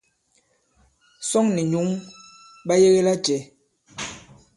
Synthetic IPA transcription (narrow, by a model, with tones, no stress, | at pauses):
sɔ˦ŋni˨ɲu˨˦ŋ | ɓa˦je˦ɣe˦la˦t͡ʃɛ˨˦